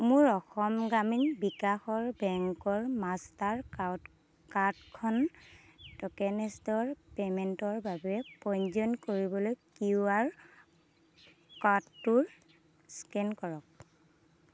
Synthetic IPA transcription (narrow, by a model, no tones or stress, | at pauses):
mʊɹɔxɔmɡaminbikaxɔɹbɛŋkɔɹmastaɹka | katkʰɔn | tɔkɛnestɔɹpemɛntɔɹbabɛpɔnzɔnkoɹibɔlojkiuaɹ | katːʊɹ | skɛnkɔɹɔk̚